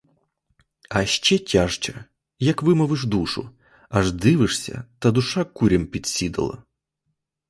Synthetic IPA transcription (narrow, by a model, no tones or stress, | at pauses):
ɐʃt͡ʃɛtʲaʂt͡ʃɐ | jɐkʋɪmɔʋɪʐd̪uʂʊ̰ | ɐʐd̪ɪʋɪʂsʲɐ̰t̪ɐd̪ʊʂakuɾʲɐmpʲid̪ʲsʲid̪ɐ̰lˠɐ̰